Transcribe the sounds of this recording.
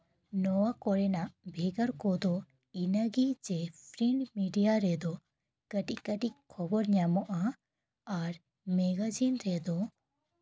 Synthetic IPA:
nɔwakɔɽɛnaʔbʱɛɡəɾkɔd̪ɔ | inaɡid͡ʒɛpʰɾiɳmiɖijaɾɛd̪ɔ | kəʈiʔkəʈiʔkʰɔbɔɾɲamɔʔa | aɾ | mɛɡad͡ʒinɾɛd̪ɔ

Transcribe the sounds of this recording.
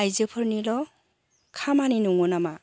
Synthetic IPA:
ajzɯpʰɯɾnilɔ | kʰamaninuŋɔnama

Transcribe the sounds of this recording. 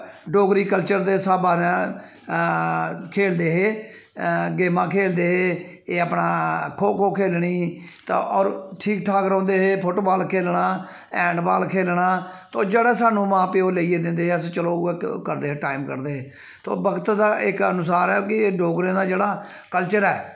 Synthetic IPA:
ɖoːɡɾiːkəlt͡ʃəɾd̪eːsaːbaːnɛ̃ | kʰeːld̪eːɦeː | ɡeːmãːkʰeːld̪eːɦeːeːəpɳaːkʰoːkʰoːkʰeːlɳiːt̪a̰ʔɔːɾʈʰiːkʈʰaːkɾɔ̃ːnd̪eːɦeːpʰoːʈoːbaːlkʰeːlɳaː | ɛ̃ːɳɖbaːlkʰeːlɳaːt̪oːd͡ʒeːɽɛːsaːnũːmãːpeːoːleiːeːd̪ɪ̃nd̪eːɦeːəs̬ːt͡ʃəloːeːkəɾd̪eːɦeːʈaːimkə̰ɾd̪eːɦeː | t̪o̰ːbəɡət̪d̪aːʔɪkənʊs̬aːɾɛːkɪːɖoːɡɾẽːd̪aːd͡ʒeːɽaː | kəlt͡ʃəɾɛː

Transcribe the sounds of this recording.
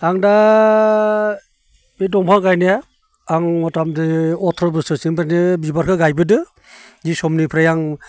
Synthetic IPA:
aŋda | midɔŋpʰaŋɡajnija | aŋmɔtamdɯɔtʰɾɔbɯsɯsiŋbaɾnibibaɾkʰɯɡajbɯdɯ | zisɔmnipʰɾajaŋ

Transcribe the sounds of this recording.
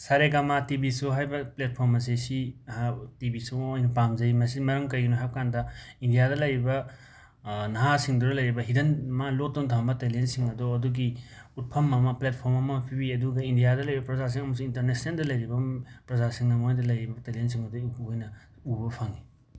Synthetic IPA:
saɾeɡamatibisuɦajbɐplet̚pʰoɾmɐs̬esiatibisuojnɐpamzɐimɐsimɐɾɐmkɐjɡinoɦakandɐindijadɐlɐjɾibɐ | nɐɦasiŋduɾɐlɐjɾibɐɦidɐnmalok̚dontʰambɐtelensiŋɐdoɐduɡi | ut̚pʰɐmːɐmɐplet̚pʰoɾmɐmɐpʰibiɐduɡɐindijadɐlɐjibɐpɾɐzas̬iŋɐmɐs̬uintɐɾnesneldɐlɐjɾibɐpɾɐzasiŋnɐmojdɐlɐjibɐtelens̬iŋɐdoubojnɐ | ubɐpʰaŋi

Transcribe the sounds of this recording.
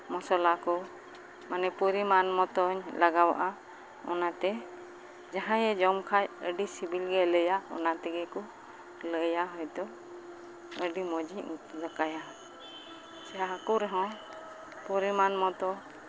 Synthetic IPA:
mɔsɔlakɔ | manɛpuɾimanmɔt̪ɔɲlaɡawa̰ʔa | ɔ̰nat̪ɛ | d͡ʒaɦãjɛd͡ʒɔmkʰajəɖisibilɡɛləjaɔ̰nat̪ɛɡɛkɔ | ləjaɦɔjt̪ɔ | əɖimɔd͡ʒiɲut̪zakaja | sɛɦaakɔɾɛɦɔ̃ | puɾimanmɔt̪ɔ

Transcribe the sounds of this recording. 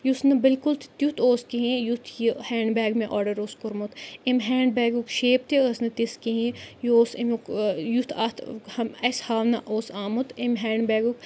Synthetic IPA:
jusnɐbɪlkult̪t̪jut̪ʰoːskeɦĩjut̪ʰjihɛ̃ːɳɖbɛːɡmẽʔɔːɖɐɾoːskʊɾmut̪imɦɛːɳɖbɛːɡukʃeːp̚t̪ʰiɐsnɐt̪iskeɦĩjoːsimukjut̪ʰa̰t̪ʰɐmɐshaːʋnɐʔoːsaːmut̪imɦɛːɳɖbɛːɡuk

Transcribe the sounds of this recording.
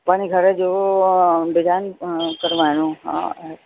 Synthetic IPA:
paːniɡʱəɾed͡ʒoː | bɪd̪aːnkəɾʋaːnũɦã̰

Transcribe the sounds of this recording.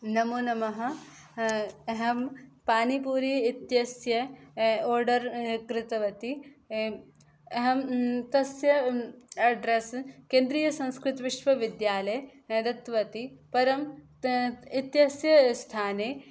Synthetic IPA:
nɐmoːnɐmɐɦɐ̆ | ɐɦɐmpaːnipuːɾiit̪jɐsjɐoːɾɖɐɾkɾɪt̪ɐʋɐt̪i | ɦɐmt̪ɐsjɐɐɖɾeskẽːnd̪ɾiːjɐsɐ̃nskɾɪt̪ʋɪʃʋɐʋɪd̪jaːlɐjd̪ɐt̪ʋɐt̪ipɐɾɐm | it̪jɐsjɐst̪ʰaːneː

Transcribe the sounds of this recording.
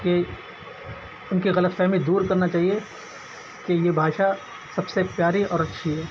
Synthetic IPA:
ke | ʊnkiɣɐlət̪fɛɦmid̪uːɾkɐɾnat͡ʃaːɦie | kejebʱaːʃa | sɐbsepjaːɾiɔːɾɐtːʃʰiɦɛː

